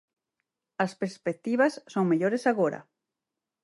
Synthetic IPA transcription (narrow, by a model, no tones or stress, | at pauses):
aspeɾspek̚t̪iβasːoŋmeʎoɾesaɣoɾa̰